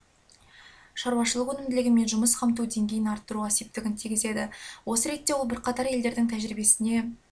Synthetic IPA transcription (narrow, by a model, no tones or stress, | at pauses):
ʃɑɾwɑʃəlˠəqwɵnɪmd̪ɪlɪɡʲɪme̞nʒʊməsqʰɑmt̪̬ud̪e̞ŋɡʲe̞jɪnɑɾt̪ːəɾuʁɑsep̚t̪ɪɡʲɪnt̪ʰiɡʲɪze̞d̪ɪwo̞səɾe̞t̪ːe̞wolˠbɪɾqʰɑt̪ɑɾje̞ld̪e̞ɾd̪ɪŋt̪ʰæʒɾibe̞sɪne̞